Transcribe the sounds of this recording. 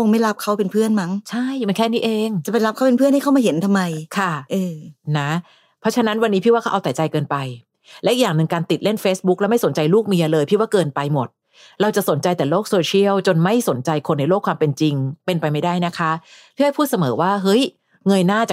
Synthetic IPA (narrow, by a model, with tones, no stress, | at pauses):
o˧ŋma˥˩jla˦˥p̚kʰa˦˥wpe˧npʰɯ˥˩ənma˦˥ŋt͡ɕʰa˥˩jmiː˧nŋkʰɛː˥˩niː˦˥ʔeː˧ŋt͡ɕa˨˩pa˧jla˦˥p̚kʰa˦˥wpe˧npʰɯ˥˩nha˥˩ka˥˩maː˧˩ɦe˩˦nt̪ʰa˧mːa˧jkʰa˥˩ʔɤː˧na˦˥ | pʰɔ˦˥t͡ɕʰa˧na˦˥nwa˧nːi˦˥i˦˥˩waː˥˩a˦˥ʔa˧wt̪a˨˩j̚t͡ɕa˧jkɤː˧npa˧j | lɛ˦˥ʔi˨k̚jaː˨˩ŋnɯ˨˩ŋkaː˧nt̪i˨˩t̪̚le˥˩nfeː˦˥sbu˦˥k̚lɛ˦˥ma˥˩jso˩˦nt͡ɕa˧jluː˥˩k̚mi˧ɐlɤː˧jpʰiː˦˥˩waː˥˩kɤː˧npa˧jmo˨˩t̪̚ | ɾa˧wt͡ɕa˨˩ʔso˩˦nt͡ɕa˧jt̪ɛː˨˩loː˥˩k̚soː˧t͡ɕʰi˥˩əwt͡ɕo˧nma˥˩jso˩˦nt͡ɕa˧jkʰo˧nːa˧jloː˥˩kʰwaː˧mpe˧nt͡ɕi˧ŋpe˧npa˧jma˦˥˩jdaː˥˩jna˦˥kʰa˦˥pʰiː˥˩˦hpʰuː˥˩sa˧mɤː˩˦waː˥˩ɦɤ˦˥j | ŋɤ˧jnaː˥˩t͡ɕa˨˩